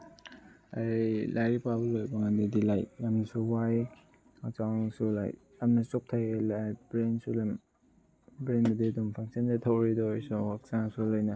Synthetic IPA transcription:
alajɾipabɐlojbɐŋandidilaj̚jamsuwaj | mak̚t͡ʃawsula̰j | amnɐsop̚tʰajelabɾensulem | bɾendɐdidumpʰaŋsindetʰawɾidɔjsuwak̚t͡ʃaŋsulojnɐ

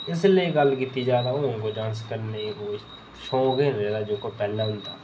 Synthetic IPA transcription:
ɪslieɡɐlkiːt̪id͡ʒaːd̪aokod͡ʒãːnskəɾneĩkoː | ʃõːɡẽɾeːlad͡ʒoːkopɛɦlaɦʊ̃nt̪aː

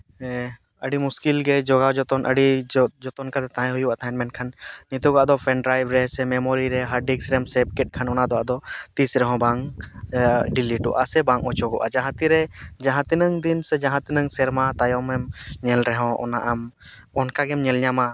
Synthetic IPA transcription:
ɛ | əɖimuskilɡɛd͡ʒɔɡad͡ʒɔt̪ɔnʔə̰ɖid͡ʒɔt̪ɔnkat̪ɛt̪aɦɛ̃ɦujubat̪aɛnmɛɳʈkʰanːit̪uɡɔʔad̪ɔpʰɛnɖɾajbɾɛɦsɛmɛmɔɾiɾɛɦaɾɖiksɾɛmsɛb̚kɛʈ̚ˀkʰanɔnad̪ɔad̪ɔt̪isɾɛɦɔ̃baŋ | ɖiliʈɔ̰ʔa̰sɛbãŋɔt͡ʃɔɡɔ̰ʔad͡ʒãɦãt̪iɾɛd͡ʒãɦãt̪inəŋd̪insɛd͡ʒãɦãt̪inəŋsɛɾmat̪ajɔmɛmɲɛlɾɛɦɔ̃ʔɔ̰naʔam | ɔnkaɡɛmɲɛlɲama

